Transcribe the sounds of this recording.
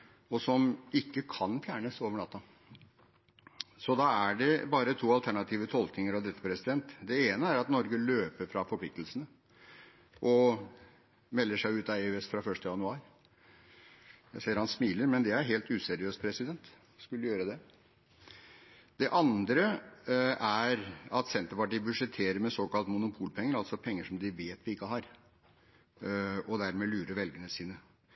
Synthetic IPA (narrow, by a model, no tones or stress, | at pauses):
ɔsɔmɪkːəkʰɑnfjæːɳəsoːʋəɳɑːt̪ːɑ | sɔd̪ɑæɖɛbɑːɾət̪ʰuːɑlt̪ʰæɳɑt̪ʰiːʋət̪ʰɔlknɪŋəɾɑʋd̪ɾɛt̪ːə̥pʰɾɛsɪd̪ɛnt̪d̪ɛeːnəæɾɑt̪nɔɾɡəløːpəɾfɾɑfɔpʰlɪk̚t̪lsənə | ʔɔ | mɛlːəʂæɪʉːt̪ɑeʉɛsfɾɑfœʂtəjɑnʉɑːɾ | sɛːəɾhɑnsmiːləɾmɛnd̪ɛæɾɦeːlt̪ʉːsɛɾɪøːst̪̚pʰɾɛsɪd̪ɛnt̪ | skʉlːəjøːɾəd̪ɛ | d̪ɛʔɑnd̪ɾə | æɾɑt̪sɛnt̪əpɑʈiːbʉʂɛt̪ʰeːɾəɾmɛsoːkɑlt̪mʊnʊpʰuːlpʰɛŋːəɾɑlt̪sɔpʰɛŋːəʂɔmd̪ɪʋeːt̪ʋɪɪkːəɦɑɾ | ɔd̪æɾmɛlʉːɾəɾʋɛlɡənəsiːnə